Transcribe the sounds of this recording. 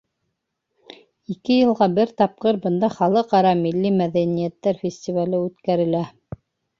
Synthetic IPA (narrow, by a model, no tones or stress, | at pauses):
ikɘjɤ̆lˠʁɑbɘɾt̪ɑp̚qɤɾbɤ̆nd̪ɑχɑlˠɤqɑɾɑmilːimæðænijæt̪ːæɾfʲɪsʲtʲivalɘʉt̪kæɾɘ̆læ